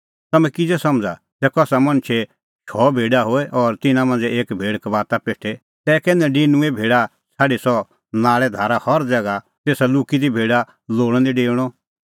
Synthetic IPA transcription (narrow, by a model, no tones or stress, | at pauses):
t̪ɐmɛ̃kɪd͡zɛsɐmd͡za | tɛkɔsamɐ̃nt͡ʃʰe | ʃʰɔbʱeːɖaɦoːɛʔɔɾt̪ɪnãmɐ̃nd͡zɛeːkbʱeːɽkʋaːt̪apeːʈʰe | t̪ɛːkɛnɛ̃ɖɪnũebʱeːɽa | sʰaːɖisɔ | naːɭɛd̪ʱaːɾahɔɾd͡zɛːɡa | t̪eːsaluːkid̪ibʱeːɖa | loːɽ̃ɛ̃d̪iɖeːɽ̃ɔ